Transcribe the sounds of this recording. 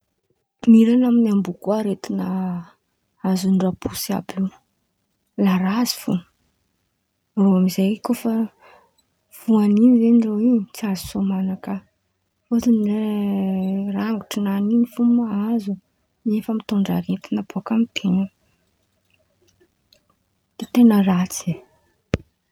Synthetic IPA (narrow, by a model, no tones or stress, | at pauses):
miɾanaminambukuaɾet̪inə | azunɖ͡ʐapusa̰biw | laɾazi̥fu | roamizejkofə | v̥uaninizeniroiɲit͡siazu̥somanakə | fot̪inie | raŋɡuʈ͡ʂinaninifumaazu | miefəmit̪uɳɖ͡ʐa̰ɾet̪inab̥okamit̪ʰenə | it̪enərat͡se